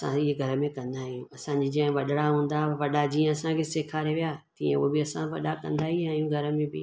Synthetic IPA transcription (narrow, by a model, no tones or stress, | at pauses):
sã̰ɪɦeɡʱɐɾə̆mẽkɐ̃nd̪aɦijũɐsãɲd͡ʑiːd͡ʑɐ̃ɦɪ̃ʋɐɗɽaɦũːnd̪aʋɐɗad͡ʑiːẽɐsãkʰeːseːkʰaɾeʋijaːt̪ĩːḛ̃ṵbɪɐsãʋɐ̰ɗakɐ̰̃nd̪aɦiãɪjũɡʱɐɾə̆mẽbɪ̰